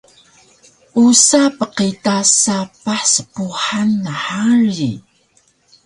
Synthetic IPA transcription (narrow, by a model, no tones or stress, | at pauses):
ʔusapəqitasapaħsə̥puħanːaħaɾi